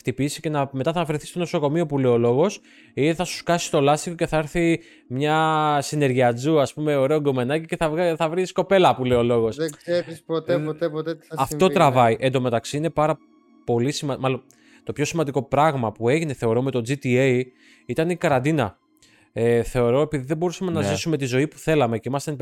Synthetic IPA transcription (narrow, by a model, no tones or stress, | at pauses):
xt̪ipisice̞nɐme̞t̪ɐθɐvɾiθist̪o̞no̞so̞ko̞miopule̞jo̞lo̞ɣo̞s | iθɐsu̥skɐsi̥t̪o̞lɐst̪iko̞ce̞θɐeɾθi | mɲɐsine̞ɾʝiɐd͡zuɐspume̞oɾe̞oɡome̞nɐcice̞θɐθɐvɾisko̞pe̞lɐpule̞o̞lo̞ɣo̞szeispot̪eot̪epot̪et̪ɐft̪o̞t̪ɾɐvɐiʔend̪o̞me̞t̪ɐksiine̞pɐɾɐ | po̞lisimɐmɐlo̞n | t̪o̞pço̞simɐnd̪iko̞pɾɐɣmɐpue̞ʝine̞θe̞o̞ɾome̞t̪o̞d͡zit̪ie | it̪ɐnikɐɾɐnd̪inɐ̰ | eθe̞o̞ɾo̞e̞piðiðebo̞ɾusɐme̞nɐzisume̞t̪izo̞ipu̥θe̞lɐme̞ceimɐst̪ɐn